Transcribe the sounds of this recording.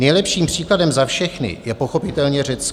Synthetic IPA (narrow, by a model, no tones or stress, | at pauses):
nɛjlɛpʃiːmpr̝̥iːkladɛmzafʃɛxnɪ̰jɛpo̞xo̞pɪt̪ɛlɲɛr̝ɛt͡s